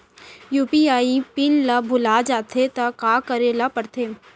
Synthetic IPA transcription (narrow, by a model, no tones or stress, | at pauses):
juːpiaːipɪnlabʱʊlad͡ʒaːt̪ʰet̪ɐkaːkəɾelapəɾt̪ʰeː